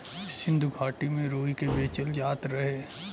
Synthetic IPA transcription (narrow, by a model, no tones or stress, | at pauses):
sɪ̃nd̪ʱuɡʰʱaːʈimẽɾoːikebeːt͡ʃəld͡ʒaːt̪ɾɐɦeː